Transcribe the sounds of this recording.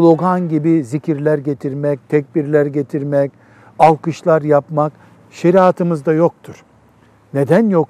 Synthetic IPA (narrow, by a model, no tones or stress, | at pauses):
lˠo̞ɡanɟibiziciɾlʲæɾɟe̞t̪ʰiɾmɛc̚t̪ʰɛc̚biɾlʲæɾɟe̞t̪ʰiɾmɛc | alˠkɯʃlˠaɾjapmak | ʃe̞ɾiat̪ʰɯmɯzd̪ajo̞k̚t̪ʰuɾ̥ | ned̪ænjok